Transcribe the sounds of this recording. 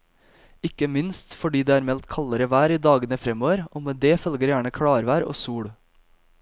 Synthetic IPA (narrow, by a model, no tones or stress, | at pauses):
ɪkəmɪnst̪fɔɖiːd̪eːæːɾmɛlt̪kʰɑləɾəʋæːɾiːd̪ɑːɡənəfɾɛmoːʋəɾʔoːmeːd̪eːfœlɡəɾjæːɳəkʰɽɑːɾʋæːɾo̰ːsuːɽ